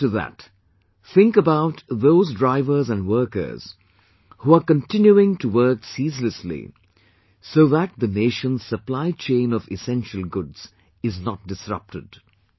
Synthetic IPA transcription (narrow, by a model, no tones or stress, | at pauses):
tɨðæ̰t | θɪ̃ŋkəbaʊtðoʊzdɹaɪvə˞zæ̃nwɜ˞kə̰˞z̥ | huəkə̃ntɪ̃njuɪ̃ŋtʰuwɜ˞ksiːzləslḭ | soʊðæt̪̚ðəneɪʃə̃nz̥səplaɪt͡ʃẽɪ̃nɔvɪsɛ̃nʃəl̩ˠɡʊdz̥ | ɪznət̚d̥ɪsɹʌ̰p̚tɨd